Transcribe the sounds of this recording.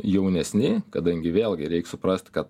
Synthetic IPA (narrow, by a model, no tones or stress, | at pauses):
jɛʊnʲɛsʲnʲɪkɐd̪ɐŋʲɡʲɪʋʲeːlʲˠɡʲɪɾʲɛɪksʊpɾɐsʲt̪ʲkɐt̪